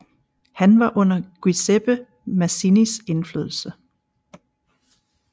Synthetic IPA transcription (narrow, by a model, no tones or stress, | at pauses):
hænʋɑ̈ʔɔ̽n̰ɐɡ̥wiseb̥ə | mæsinise̝nflø̰ːð̞ˠl̩sə